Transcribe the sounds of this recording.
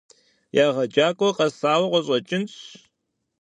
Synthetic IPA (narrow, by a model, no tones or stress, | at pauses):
jaːʁɐd͡ʒaːkʼɔqɐsaːwɐqʷɔɕʼɐt͡ʃʼɪnɕ